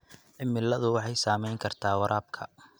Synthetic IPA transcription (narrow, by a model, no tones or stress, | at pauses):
ʔɪmːɪlːɐðʊwɑħɑjsaːmɛjŋkʰɐrt̪ʰaːwɐɾʔaːb̚kʰɐ